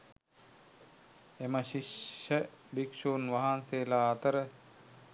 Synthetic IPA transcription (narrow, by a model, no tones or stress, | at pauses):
eməʃiʃəbikʃuːnʋaɦanseːlaːt̪əɾə